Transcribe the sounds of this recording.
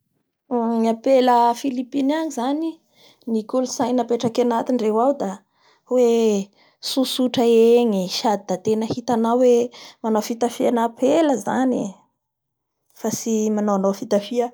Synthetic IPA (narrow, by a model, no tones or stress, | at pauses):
ɲapeləfilipinaɲizani | nikulusajnapeʈ͡ʂakanat̪iɳrewawd̪a | we | susuʈ͡ʂəeɲiʃad̪id̪at̪enəhit̪anawwemanowfit̪afianapʰeləza̰nḭ | fasimanowanowfit̪afiə